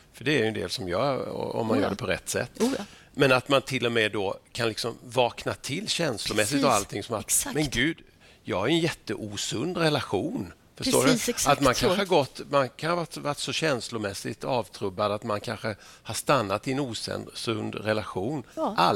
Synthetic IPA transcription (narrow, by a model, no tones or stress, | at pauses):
fœɖɛæɾjʏnd̪ḛːlsɔmjœːɾɔ̰ɔ̰mːanjœ̰ːɖɛpʰɔɾɛt̪ːsɛ̰t̪ː | mɛnat̪mant̪ʰɪlːɔmɛːd̪okʰanlɪksɔmvɑːknat̪ʰɪlːɕɛnslʊmɛs̬ːɪt̪avalt̪ʰɪŋsɔmat̪mɛnɡʉ̟ːd̪ | jɑːɡhaɾjʏɛnjɛt̪ːəʔuːsɵnd̪ɾɛlaɧuːn | fœʂo̰ːdat̪mankʰaəhaɾɡɔt̪ːmankʰanəvaʈvaʈsɔɕɛnslʊmɛsːɪ̰t̪ɑːvt̪ʰɾɵbːad̪at̪mankʰanɧə | haʂt̪anːat̪ɪɛnuːsɛ̰nd̪sɵnd̪ɾɛlaɧuːnʔa